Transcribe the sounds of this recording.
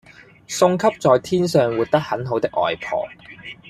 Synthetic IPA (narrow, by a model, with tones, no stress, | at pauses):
sʊ˧ŋkʰɐ˥p̚t͡sɔː˨jt̪ʰiː˥nsœː˨ŋwuː˨t̚t̪ɐ˥k̚hɐ˨˥nɦo˨˥wt̪ɪ˥k̚ʔɔ̰ː˨jpʰɔ̰ː˨˩